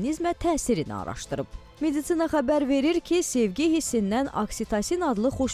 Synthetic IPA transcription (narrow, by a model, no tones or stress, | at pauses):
nizmæt̪ʰæːsiɾinḭɑ̰ɾɑ̰ʃt̪ɯɾɯp̚ | me̞d̪it̪sinɑχæbæɾve̞ɾiɾcʰise̞vɟihisinːænɑ̰ksit̪ʰɑsinɑd̪lˠɯχoʃ